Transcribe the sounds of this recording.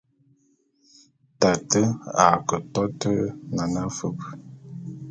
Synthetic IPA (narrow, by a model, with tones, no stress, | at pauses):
ta˨tə˦a̰˨kə˨tɔ˦tə˦na˨na˦fə˦p